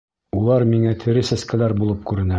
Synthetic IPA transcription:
ulˠɑɾmiŋæt̪ʰɘ̆ɾɘsæskælæɾbulˠɤp̚kʉɾɘ̆næ

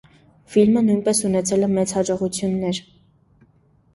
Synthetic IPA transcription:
filmənujnpɛsunɛt͡sʰɛlɛmɛt͡shɑd͡ʒɔʁut͡sʰjunːɛɾ

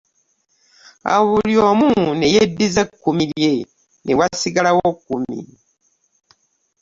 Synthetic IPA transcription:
a̰βulijomunejedːizekːumilje | newasiɡalawokumḭ

